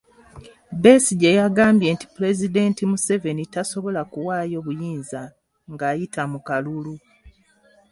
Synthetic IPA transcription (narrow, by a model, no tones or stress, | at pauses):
be̞ːsiɟejaɡaːmbje̞ːnti̥pule̞zide̞ntimuse̞ve̞nitaso̞βo̞lakuwaːjo̞βujiːnza | ŋɡaːjitʰamukalulu